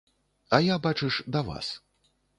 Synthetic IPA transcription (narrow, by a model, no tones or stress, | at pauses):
ɐjabat͡ʂɨʂd̪ɐva̰s